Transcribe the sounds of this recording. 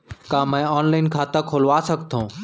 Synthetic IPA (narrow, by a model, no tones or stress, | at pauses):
kãːmə̃ɔːnlaɪnkʰaːt̪ə̃kʰoːlʋaːsəɡʱt̪ʰõː